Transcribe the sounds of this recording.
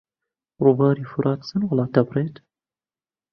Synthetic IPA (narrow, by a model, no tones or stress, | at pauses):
ruːbɑːɾiːfuɾʔɑːt̪sɨnwɑlˠɑːt̪ɐbrˤeːt̪